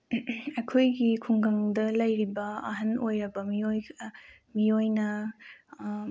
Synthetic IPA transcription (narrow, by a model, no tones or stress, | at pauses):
ɐjkʰojɡikʰuŋɡɐŋdɐlɐjɾibɐɐ̰ɦɐnojɾɐbɐmioj | mijojnɐ